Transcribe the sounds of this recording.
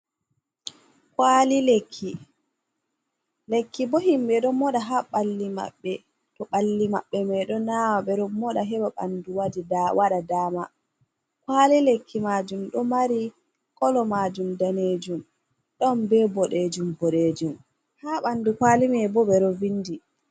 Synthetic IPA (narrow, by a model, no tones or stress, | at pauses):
kalilekʰːi | lekːibohimɓɛɗɔmːɔɗaɦaɓalːima̰ɓːɛ | tɔɓalːima̰ɓːɛmɛɗɔnawaɓɛɾɔmːɔɗaɦɛɓaɓa̰nduwadidawaɗadaːma | kwalilekʰːimad͡ʒumɗɔmaɾi | kɔlɔmad͡ʒumdaned͡ʒum | ɗɔnbɛbɔɗed͡ʒumbɔɗeːd͡ʒum | haːɓandukwaːlimɛbɔɓɛɾɔvinːdi